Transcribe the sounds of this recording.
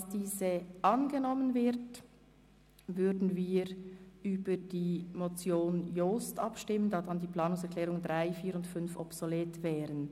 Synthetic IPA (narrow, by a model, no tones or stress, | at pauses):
sd̥iːzəʔɑnɡənɔmənvɪʁt | vʏɾdn̩viːʁyːbəd̥iːmot͡sjoːnjostʔɑpʃtɪməndɑːdɑndiːpl̥ɑːnʊŋsɛɐkʰlɛːʁʊŋd̥ʁaɪfiːɾʊntfʏnfɔpsoleːtv̥ɛːʁən